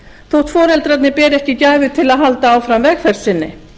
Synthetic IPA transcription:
θowht̪fɔːɾɛlt̪ɾat̪nɪpɛːɾɛhcɪcaːjvɪt̪ʰɪlaðɦalt̪aaːwfɾamvɛxfɛɾ̥sɪnːɪ

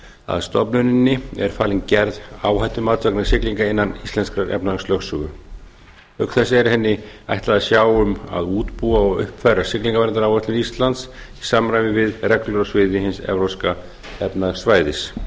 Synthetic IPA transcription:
a̰ðst̪ɔpnʏnɪnːɪɛ̰ɾ̥faːliŋcɛɾðaːwhajt̪ʏmaːt̪saknɪɾsɪkliŋkaɪnːanist̪ɛnskɾaɾʔɛ̰pnaslœxsʏɣʏ | œkθɛsːɪɛɾ̥hɛnːɪ | a̰jht̪laðasjaːwʏma̰ðuːt̪puaɔɣʏ̰hpfajɾasɪkliŋkavɛɾnaɾawɛht̪ɪist̪lant̪s | isaːmɾaːjvɪvɪðrɛklœɾɔsvɪðɪhɪnsɛ̰vɾowska | ɛpnasvaːjðɪs

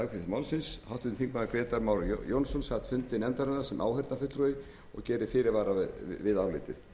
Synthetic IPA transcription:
akʰɾɪsmaːwlsɪnshawht̪ʏθʰiŋkmaðaɾkɾeːt̪aɾmawɾjownsɔnshat̪fʏnt̪ɪnɛnt̪aɾɛnaɾ̥sɛmʔa̰ːwhɛɾt̪nafʏt̪ɾœɪ | ɔ̰ɣcɛːɾɪfɪːɾɪɾvaːɾavɪðavlɪːt̪ɪ̰θ

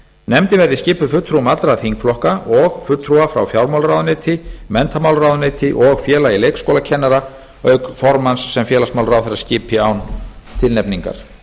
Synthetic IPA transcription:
nɛmt̪ɪvɛɾðiscɪːpʏfʏt̪ːɾumat̪ɾaθiŋkflɔhkaɔɣfʏt̪ːɾuafɾa̰wfjawɾmawlɾawðʏnɪːt̪ʰɪmɛnt̪ʰamawlɾaːwðʏneːt̪ʰɪʔɔɣfjɛːlailejkskoːlacʰɛnːaɾa | œɥkfɔɾmansːɛmfjɛːlasmawlɾawθɛɾːascɪːpʰɪawnt̪ʰɪlnɛpniŋka̰ɾ̥

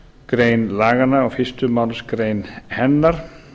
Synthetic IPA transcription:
kɾeːjnlaːɣanaaɣfɪst̪ʏmawlskɾeːjnhɛnːaɾ̥

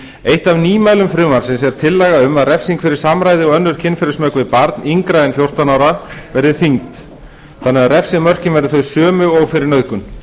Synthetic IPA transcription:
ejht̪avniːmaːjlʏmfɾʏːmaɾ̥sɛns̬ɛɾt̪ʰɪlːɛɣaʏmaðrɛfsiŋkfɪɾɪ̥samɾaːjðɪɔɣœnːʏɾ̥cʰɪnfɪɾɪsmœkvɪpaɾt̪niŋkɾaɛnfjowr̥t̪anawɾavɛɾðɪθiŋt̪ | θanːɛɣaðrɛfsɪmœr̥cɪnvɛɾðɪθœɥsœːmʏɔɣfɪɾɪɾnœɥðkʏn

